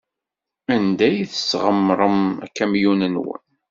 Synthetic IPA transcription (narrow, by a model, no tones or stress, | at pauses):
ænd̪æjθəsʁəmːɾˤəmæ̰kːæmjunənwə̰n